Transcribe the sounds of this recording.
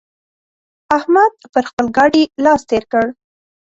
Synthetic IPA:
ahmad̪̚pəɾxpəlɡɑɖilɑst̪eɾkəɽ

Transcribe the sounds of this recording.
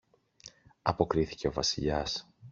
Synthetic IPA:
ɐpo̞kɾiθi̥ce̞o̞vɐsiʎɐs

